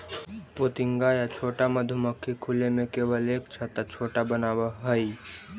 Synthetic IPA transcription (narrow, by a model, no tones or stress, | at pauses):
poːt̪ɪŋɡaːjat͡ʃʰoːʈaməd̪ʱuməkʰːikʰʊlemẽkeːʋəleːkt͡ʃʰat̪at͡ʃʰoːʈabənaːwaɦəi